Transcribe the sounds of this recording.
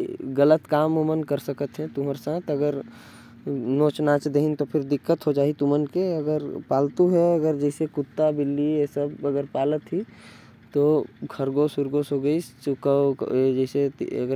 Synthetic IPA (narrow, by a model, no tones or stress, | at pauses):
ɡələt̪kaːmomənkəɾsəkət̪ɦɛ̃t̪uməɾsãːt̪əɡəɾ | noːt͡ʃnaːt͡ʃd̪eɦint̪opʰɪɾd̪ɪkːət̪ɦod͡ʒaːɦit̪ʊmənkeɐɡəɾpaːlt̪uɦɛɐɡəɾd͡ʒɛːsekʊt̪ːabɪlːiesəbəɡəɾpaːlət̪ɦi | t̪oɡʰʱəɾɡoːsʊɾɡoːsɦoɡəikə̰d͡ʒɛːsḛɐ̰ɡəɾ